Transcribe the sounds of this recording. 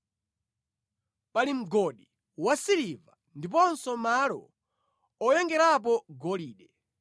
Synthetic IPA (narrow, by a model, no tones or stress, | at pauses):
palim̩ɡɔɗi | wasiɾiva | ndip̬ɔnsɔmalɔ̰ | ɔjɛŋɡɛɾap̬ɔɡɔliːɗɛ